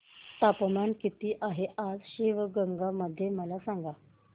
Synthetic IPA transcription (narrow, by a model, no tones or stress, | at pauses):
t̪apmankit̪iːʔaɦeʔad͡zɕiʋɡəŋɡaməd̪ʱːjeməlasaŋɡa